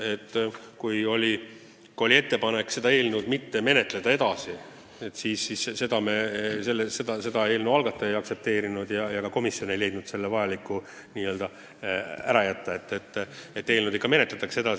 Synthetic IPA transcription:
e̞t̪ˑːkujo̞lʲi | ko̞lʲie̞t̪ːe̞pɑnekːse̞d̪̥ɑe̞ːlnud̪mit̪ːe̞me̞ne̞t̪ˑle̞d̪̥ɑe̞d̪̥ɑsi | e̞t̪ːˑsiːssiːsse̞d̪ɑmeselːesed̪ɑse̞d̪ɑe̞ːlnuɑlɡ̥ɑt̪ːˑɑejɑksep̚t̪e̞ːɾinud̪̥jɑjɑɡɑko̞misjo̞ne̞jle̞jd̪nud̪̥se̞lːevɑjɑlikːˑu | niːø̞ld̪ɑ | æ̰ɾɑjæt̪ːɑe̞t̪ːˑet̪ːet̪ːe̞ːlnud̪ikːɑme̞net̪let̪ːˑɑkse̞d̪ɑ

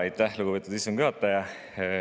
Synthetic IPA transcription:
ɑjt̪ːˑæhluɡubeːt̪ud̪isːoŋɡ̥yɦɑt̪ːˑɑjɑ

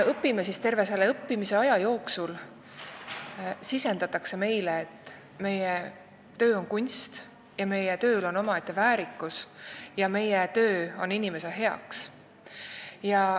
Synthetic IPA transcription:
ɤpːimesist̪e̞rve̞se̞leɤpːimise̞ɑjɑjo̞ːksul | sise̞nd̪ɑt̪ːˑɑkse̞me̞jleːt̪ːˑ | me̞je | t̪ø̞ːo̞nkunʲst̪ | jɑme̞jet̪ø̞ːlo̞no̞mɑet̪ˑːe̞væːɾikːˑusjɑme̞jet̪ø̞ːo̞ninʲime̞seɦe̞ɑ̰ks | jɑ

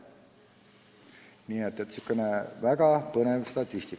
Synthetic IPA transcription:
niːet̪ːˑet̪sykːˑenevæɡ̥ɑpɤnevst̪ɑt̪ʲˑːist̪ik

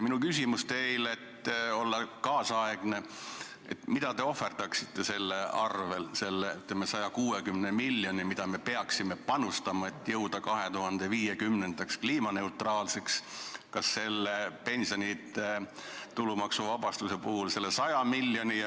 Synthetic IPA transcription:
minukys̬ʲimust̪e̞jle̞t̪ːo̞lːɑkɑːsɑeɡ̥ne̞ | ḛt̪mid̪̥ɑt̪e̞o̞fːe̞rt̪ɑksit̪ːe̞se̞lːeʔɑrve̞lse̞lːeyt̪lemːesɑjɑkuːekymnemilʲːjo̞nimid̪̥ɑme̞pe̞ɑksime̞pɑnust̪ɑmɑe̞t̪ːˑjɤwd̪̥ɑkɑɦe̞t̪uɦɑnd̪̥e̞viːjekymne̞nd̪ɑkskliːmɑne̞ut̪rɑːlse̞kskɑsːe̞lːepe̞nsio̞nʲit̪ːˑet̪ulumɑksuvɑbɑst̪usepuhulse̞lːesɑjɑmilːjoni

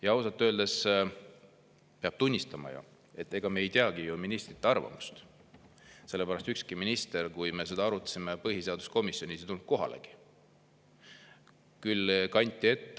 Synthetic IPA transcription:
jɑɑwsɑt̪ːˑø̞ld̪e̞s | peɑb̥t̪unʲːist̪ɑmɑ̰jṵ | e̞t̪ːˑe̞ɡ̥ɑmeejt̪eɑɡijuminist̪rit̪ˑːeɑrvɑ̰mu̥st̪ | se̞lːepæɾɑst̪ykskiminist̪e̞ɾkujme̞s̬e̞d̪ɑɑɾut̪ːˑɑ̥simepɤɦise̞ɑd̪̥usko̞misjo̞nʲisit̪ulnt̪̚ko̞ɦɑ̰lḛɡ̥i̥ | kylkɑnʲt̪ʲːˑie̞t̪ː

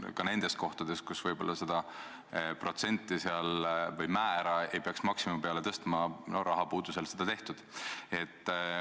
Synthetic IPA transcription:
kɑne̞nd̪̥e̞st̪̚ko̞ht̪ɑd̪e̞st̪̚kusvɤjb̥o̞lːɑse̞d̪ɑ | pro̞t̪se̞nʲt̪ːiseɑlvɤjmæːɾɑe̞jpeɑksmɑksimupe̞ɑle̞t̪ɤst̪mɑnoɾɑɦɑpuːd̪̥use̞lse̞d̪̥ɑt̪e̞ht̪ud̪̥e̞t̪ː

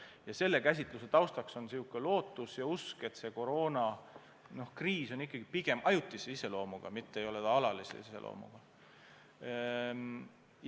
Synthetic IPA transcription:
jɑse̞lːe̞kæs̬ʲit̪luse̞t̪ɑwst̪ɑkso̞nsiukːˑelo̞ːt̪ːˑusjɑuske̞t̪se̞ko̞ɾo̞ːnɑ | no̞hkriːso̞nikːˑɑɡ̥ipiɡ̥e̞mʔɑjut̪ːˑiseise̞lo̞ːmuɡ̥ɑ̰mit̪ːeejo̞led̪ɑɑlɑlisḛise̞lʔo̰ːmṵɡ̥ɑ

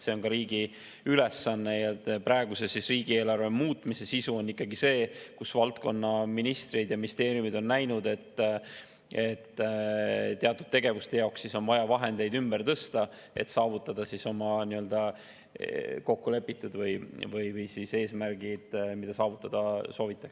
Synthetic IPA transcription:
se̞o̞nkɑɾiːɡi | ylesːɑnːe̞jɑpɾɑeɡ̥use̞sisriːɡ̥ie̞ːlɑrvemuːt̪ˑmise̞sisuo̞nːikːˑɑɡise̞ːkusvɑlt̪ko̞nːɑminist̪rid̪̥jɑminʲist̪e̞ːɾjumid̪̥o̞nːæjnud̪e̞t̪ː | et̪ː | t̪ːeɑt̪ːˑud̥̪̚t̪e̞ɡ̥e̞vust̪e̞jɑoksːiso̞nvɑjɑvɑɦe̞nd̪̥e̞jd̪ymb̥ert̪ɤst̪ɑ | e̞̰t̪sɑːvut̪ːˑɑd̪̥ɑsiso̞mɑniø̞ld̪ɑ | ko̞kːule̞pːit̪ːˑud̪vɯjvɯjvɯjsise̞ːsmærɡid̪̥mid̪̥ɑsɑːvut̪ːˑɑd̪̥ɑso̞ːvit̪ˑːɑks

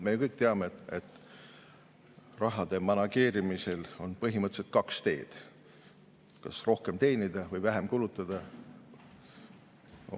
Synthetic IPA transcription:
mekɤjk̚ˑt̪eɑmeet̪ːˑ | rɑɦɑd̪̥e̞mɑnɑke̞ːɾimise̞lo̞npɤɦimɤt̪ːˑset̪̚kɑkst̪e̞ːd̪̥ | kɑ̰sro̞hke̞mt̪e̞jnid̪̥ɑvɤjvæɦemkulut̪ːˑɑd̪̥ɑ

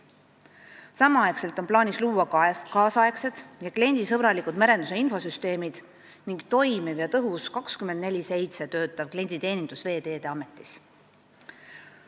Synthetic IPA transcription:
sɑmɑɑekse̞lt̪ːˑo̞nplɑːnisluːwɑkɑːsɑe̞kse̞d̪̥jɑklie̞nʲd̪isɤb̥ɾɑlikud̪mæɾe̞nd̪use̞info̞syst̪e̞ːmid̪̥ | niŋɡ̥t̪o̞jmivjɑt̪ɤɦuskɑkskymend̪̚ne̞lʲise̞jt̪se̞t̪ø̞ːt̪ːˑɑvklʲie̞nʲd̪̥it̪e̞ːnind̪̥usve̞ːd̪eːd̪̥e̞ɑme̞t̪ːˑis

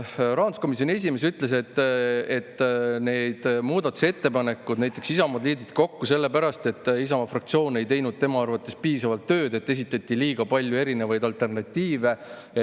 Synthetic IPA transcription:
rɑːɑnd̪u̥sko̞mis̬jo̞nʲies̬ʲime̞syt̪ˑle̞s̬e̞t̪ːet̪ːne̞d̪̥muːd̪̥ɑt̪ːˑu̥se̞t̪ːe̞pɑne̞kːˑud̪næjt̪ːˑe̞ksisɑmɑd̪liːd̪it̪ko̞kːuse̞lːe̞pæɾɑst̪e̞t̪ːˑisɑmɑfrɑk̚t̪sio̞ːne̞jt̪e̞jnud̪̥̚t̪e̞mɑɑrvɑt̪ːˑe̞spiːsɑvɑlt̪ːø̞ːd̪e̞t̪ːe̞s̬it̪ːˑɑt̪ːˑiliːɡ̥ɑpɑlʲjue̞ɾine̞vɑjd̪ɑlt̪e̞rnɑt̪ʲːiːve̞

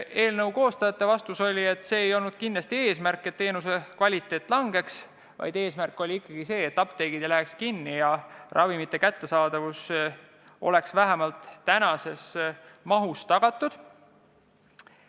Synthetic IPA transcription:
e̞ːlnɤwko̞ːst̪ɑjɑt̪ˑːe̞vɑst̪uso̞lʲie̞t̪ːˑse̞ːejo̞lnud̪̥̚kinlɑst̪ie̞ːsmærkːˑe̞t̪ːe̞ːnus̬e̞kvɑlʲit̪ːˑe̞ːt̪ːˑlɑŋɡ̥e̞ks | vɑ̰jd̪̥e̞ːsmærkːˑo̞lʲiikːɑɡ̥ise̞ːt̪ːɑpt̪e̞jɡ̥id̪̥læɦekskinːijɑrʔɑvimit̪ːe̞kæt̪ːe̞sɑːd̪̥ɑvus | o̞̰le̞ksvæɦæmɑlt̪ːænɑse̞smɑɦust̪ɑɡ̥ɑt̪ːˑud̪̥

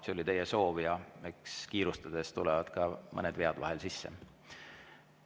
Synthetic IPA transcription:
seolʲit̪e̞jeso̞ːvijɑekskiːɾust̪ɑd̪̥e̞st̪ulɛvɑd̪̥kɑmʔɤned̪veɑd̪̥vɑ̰ɦelsisːe

